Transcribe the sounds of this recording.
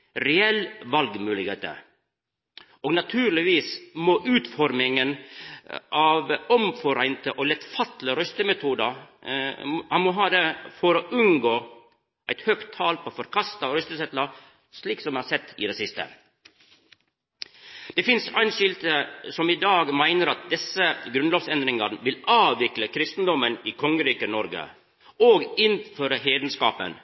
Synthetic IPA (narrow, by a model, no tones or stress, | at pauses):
ɾɛɛlʋɑlɡmʉːlɪɡhḛːt̪ə̰ | oːɡnɑt̪ʰʉːɾlɪʋiːsmoːʔʉːt̪fɔɾmɪŋən | ʔɑʋɔmfɔɾæɪnt̪əʔɔlɛt̪fɑt̪ləɾœst̪əmɛt̪ʰuːd̪ə | ɑmɔɦɑːd̪efɔɾoːʔʉnɡoː | ʔæɪt̪hœkt̪ʰːɑːlpʰɔfɔɾkʰɑst̪ɑɾœst̪əsɛt̪lɑ | sliːksɔmhɑsɛt̪ːɪ̰d̪ɛsɪst̪ə̰ | d̪̥ɛfɪnsæɪnʃʏlt̪əsɔmɪd̪ɑːɡmæɪnəɾɑt̪̚d̪ɛsəɡɾʉnloːʋsɛnd̪ɾɪŋɑɾʋɪlɑːʋʋɪkləkʰɾɪst̪n̩d̪ɔməniːkʰɔŋəɾiːkənɔɾɡə̰ | oːɡɪnføːɾəɦeːd̪n̩skɑ̰ːpə̰n